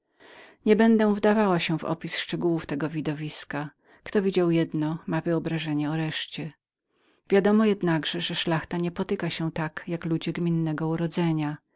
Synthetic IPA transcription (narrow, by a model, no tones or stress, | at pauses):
ɲɛbɛnd̪ɛ̃w̃vd̪avawaɕɛvɔ̰pʲisʂt͡ʂɛɡuwuft̪ɛɡɔvʲid̪ɔvʲiska | kt̪ɔvʲid͡ʑawjɛd̪nɔmavɘɔbɾaʐɛɲɛɔɾɛʂt͡ɕɛ | vʲjad̪ɔmɔjɛd̪naɡʐɛʐɛʂlaxt̪aɲɛpɔt̪ɘkaɕɛt̪akjaklud͡ʑɛɡmʲinːɛɡɔuɾɔd̪zɛɲa